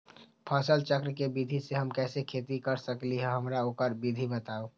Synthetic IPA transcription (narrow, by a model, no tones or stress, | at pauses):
pʰəsəlt͡ʃəkɾkebid̪ʱiseɦəmkɛːsekʰeːt̪ikəɾsəkliɦɛɦəmɾaoːkəɾbid̪ʱibət̪aːo